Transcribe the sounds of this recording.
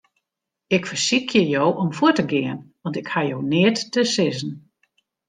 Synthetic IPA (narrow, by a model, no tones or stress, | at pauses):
ɪkfərsikʰjəjowʔɔmfutəɡɪːənʋɑntɪkhajownɪətːəsɪzən̩